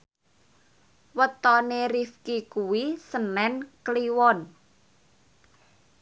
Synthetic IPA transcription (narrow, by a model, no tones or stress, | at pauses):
wət̪ɔneɾifkikuwisənɛnkliwɔn